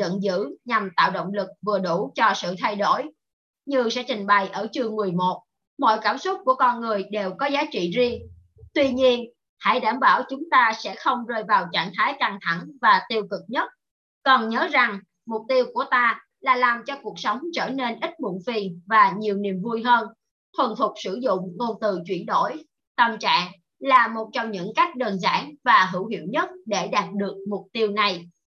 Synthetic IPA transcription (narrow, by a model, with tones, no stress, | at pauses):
zə̰˧˨nzɨ̰˧˥ɲa˨˩mt̪a̰ː˧˨wɗo̰˧˨wŋ͡mlɨ˨˩k̚vɨ˨˩əɗu˧˩t͡ɕɔ˧sɨ̰˧˨t̪ʰa˧jɗo̰˧˩j | ɲɨ˧˩sɛ̰˧˥t͡ɕï˨˩ŋ̟ɓa˨˩jʔəː˧˩t͡ɕɨ˨˩əŋmɨ˨˩əjmo˨˩t̚ | mɔ̰˧˨jkaː˧˩msʊ˦˥t̚ku˧˩əkɔ˧nŋɨ˨˩əjɗe˨˩wkɔ˨˦zaː˨˦t͡ɕḭ˧˨zi˧ə | t̪wi˧ɲi˧ən | ha̰˧˩jɗaː˧˩mɓaː˧˩wt͡ɕʊ˨˦ŋ͡mt̪aː˧sɛ̰˧˥xə˧wŋ͡mzəː˧jvaː˨˩wt͡ɕa̰ː˧˩ŋt̪ʰaː˨˦jka˧˩ŋt̪ʰa˧˩ŋvaː˨˩t̪i˧əwkɨ˨˩k̚ɲə˦˥t̚ | kɔ˨˩nɲəː˨˦za˨˩ŋ | mʊ˨˩k͡p̚t̪i˧əwku˧˩ət̪aː˧ | laː˨˩laː˨˩mt͡ɕɔ˧ku˨˩ək̚sə˨˦wŋ͡mt͡ɕəː˧˩ne˧nʔï˦˥k̟̚mṵ˧˨nfi˧˩nvaː˨˩ɲi˨˩əwni˨˩əmvu˧jɦəː˧n | t̪ʰwə˨˩nt̪ʰʊ˨˩k͡p̚sɨ˧˩zʊ̰˧˨ŋ͡mŋo˧t̪ɨ˨˩t͡ɕwi˧˩ənɗo̰˧˩j | t̪ə˧˩mt͡ɕa̰ː˧˨ŋ | laː˨˩mo˨˩t̚t͡ɕɔ˧wŋ͡mɲɨ̰˧˥ŋka˦˥jk̟̚ɗəː˨˩nza̰ː˧˥nvaː˨˩ɦɨ̰˧˩whḭ˧˩əwɲə˦˥t̚ɗe˧˩ɗaː˨˩t̚ɗɨ˨˩ək̚mʊ˨˩k͡p̚t̪i˧əwna˨˩j